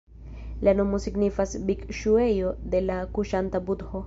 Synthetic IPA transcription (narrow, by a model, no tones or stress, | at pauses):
lano̞mo̞siɡnifasbikʃue̞jo̞d̪e̞lakuʃantabud̪ho